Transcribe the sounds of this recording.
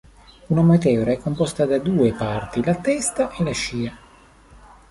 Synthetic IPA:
unamat̪̬ɛoɾaɛkːompɔst̪ad̪ad̪uːepart̪ilat̪ɛst̪aʔelaʃiːa

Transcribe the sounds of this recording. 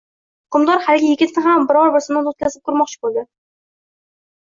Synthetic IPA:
ʊ̥qɨmd̪ɒɾhalɪɡʲajɪɡʲɪt̪nɪɦambɪɾɒɾbɪɾsɪmnad̪ot̪kʲʰazɪp̚kʰʊɾmɒq̚t͡ʃʰɪ̥bolˠd̪ɪ

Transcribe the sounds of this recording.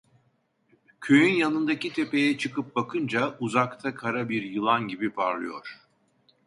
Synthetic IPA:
cʰøjynjanɯnd̪acit̪ʰe̞pe̞jɛt͡ʃʰɯkɯp̚bakʰɯnd͡ʒauzakt̪ʰakʰaɾabiɾjɯlˠanɟibipʰaɾlˠɯjo̞̰ɾ̥

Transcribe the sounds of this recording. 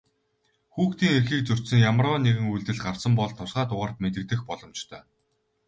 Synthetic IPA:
xuːxt̪iːŋerxiːk̚t͡sɵr̥t̪sɘ̆ŋjamrɔːneɣɘ̆ŋujɮt̪ɘ̆ɮɢar̥sə̆mpɔɮt̪ʰːʊsɢaːt̪ʊʁăːr̥t̪met̪̬ɘ̆k̚t̪ɘ̆xpɔɮɞ̆mt͡ɕt̪ʰœː

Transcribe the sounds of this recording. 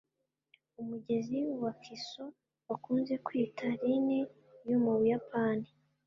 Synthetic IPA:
umuɟe̞ziwakʰiso | wakuːnze̞kwiːtʰaɾine | jomuβujapaːni

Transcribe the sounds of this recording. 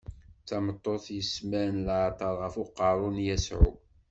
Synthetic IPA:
t͡sɑmət̪ˤːoθjəsmænlʕt̪ˤɑɾˤʁəfʊqːɑɾˤʊnjæsʕṵ

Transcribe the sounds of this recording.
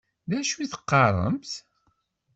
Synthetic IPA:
ðæʃuiθə̥qːɑɾˤə̰mθ

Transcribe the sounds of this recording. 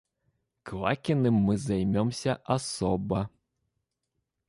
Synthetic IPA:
klˠakʲinɨmːɨzajmʲɔmsʲɐʔasɔbɐ

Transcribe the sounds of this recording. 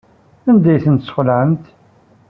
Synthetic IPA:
ænd̪æjθənt̪sχlʕəmt̪

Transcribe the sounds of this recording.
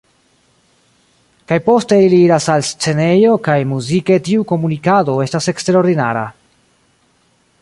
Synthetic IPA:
kajpo̞ste̞iliiɾasalst͡se̞ne̞jo̞kajmuzike̞tiuko̞munikado̞e̞stase̞kste̞ɾo̞ɾdina̰ɾa̰

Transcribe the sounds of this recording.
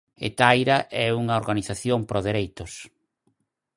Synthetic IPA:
ḛt̪ajɾaʔɛuŋaoɾɣaniθaθjompɾʔoðeɾejt̪ʊs

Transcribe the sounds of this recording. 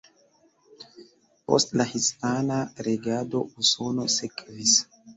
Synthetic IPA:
po̞̰stlahispanaɾeɡado̞uso̞no̞sekvis

